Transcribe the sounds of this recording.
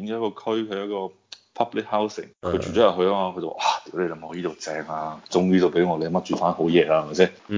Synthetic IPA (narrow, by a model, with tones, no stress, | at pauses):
i˨˧˦nkːkɔː˧kʰɵ˥ɥkʰɐ˨˧jɐ˥t̚kɔː˧ | pʰɐ˥plɪ˨˥k̚ha˥wsɪ̰˨ŋkʰt͡ʃyː˨˩ɔː˨˥jɐ˨wɦɵ˧a˥aː˧kʰɵ˧t̪o̰˨ʔaː˨˧˩t̪iː˨˥wle˧lɐ˨˧˩mho˨˧jiː˥t̪o˨˧wt͡sɛː˧ŋaː˧t͡sʊ˥ŋjiː˥t̪o˨˧wpe˨˥jŋɔː˨˧le˨˧mɐ˥t̚t͡ʃyː˧faː˥nho˨˥wjɛː˨laː˧hɐ˨ma˨˩sɛː˦˥